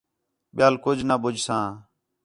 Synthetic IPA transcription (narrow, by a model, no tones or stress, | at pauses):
ɓɪjaːlkʊd͡ʒʱnaːɓʊd͡ʒʱsãː